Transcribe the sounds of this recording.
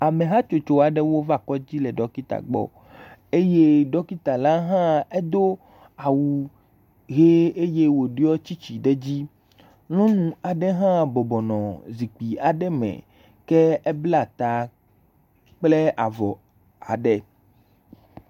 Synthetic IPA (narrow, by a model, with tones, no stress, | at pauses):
a˨mẽ˨ɦã˦t͡ʃo˨t͡ʃo˨a˨ɖɛ˦wo˦va˦˨kɔ˦d͡ʑi˦lɛ˨ɖɔ˦ki˦t̪a̰˨ɡ͡bɔ̰˨ | e˦je˦ɖɔ˦ki˦t̪a˨la˦ɦã˦e˦d̪o˦ | a˨wu˨ | ɣe˦e˦je˦wo˨ɖi˦ɔ˦t͡ɕi˦t͡ɕi˨ɖɛ˦d͡ʑi˦ | lɔ̃˦nũ˦a˨ɖɛ˦ɦã˦bɔ˨bɔ˨nɔ̃˨zi˨k͡pi˨a˨ɖɛ˦mɛ̰̃˨ | kɛ˦ɛ˦bla˦˨t̪a˨ | k͡ple˦a˨vɔ˨ | a̰˨ɖɛ˨